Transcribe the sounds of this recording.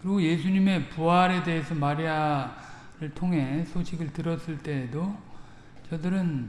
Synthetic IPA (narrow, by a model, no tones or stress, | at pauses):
kɯɾiɡoje̞sʰuɲime̞puaɾe̞de̞esʰʌmaɾia | ɾɯɭtʰoŋɦe̞sʰoɕʰiɡɯɭtɯɾʌs͈ɯɭt͈e̞do | t͡ɕʌdɯɾɯn